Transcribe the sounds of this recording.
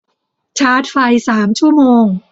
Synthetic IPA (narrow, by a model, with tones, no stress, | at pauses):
t͡ɕʰaː˦˥t̪̚fa˧jsaː˩˦mt͡ɕʰu˥˩əmoː˧ŋ